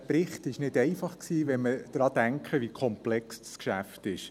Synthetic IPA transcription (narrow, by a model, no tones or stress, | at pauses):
pɾɪχtɪʃnɪdɛɪfɑχksiːʋɛməd̥ɾɑːd̥æŋkχəʋikʰɔmplɛksdskʃæftɪʃ